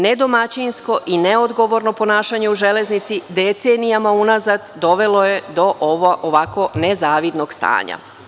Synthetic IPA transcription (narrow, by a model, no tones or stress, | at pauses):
ne̞d̪o̞mat͡ɕinsko̞ʔineo̞d̪ɡo̞ʋo̞ɾno̞po̞naːʃaɲe̞uʒe̞le̞znit̪sid̪et̪senijamaunazad̪d̪o̞ʋe̞lo̞jed̪o̞ʔoʋoʔoʋako̞nezaːʋid̪no̞ɡst̪a̰ːɲa̰